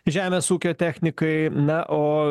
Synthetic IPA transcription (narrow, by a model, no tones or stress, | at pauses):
ʒʲæːmʲeːsuːkʲoːt̪ʲæːxʲnʲɪkɐɪnɐʔoː